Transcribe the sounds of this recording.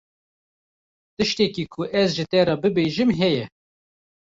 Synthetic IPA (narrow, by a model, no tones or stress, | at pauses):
t̪ɨʃt̪ɛkiːkʰʊʔɛzʒɪt̪ɛɾɑːbɨbeːʒɨmɦɛjɛ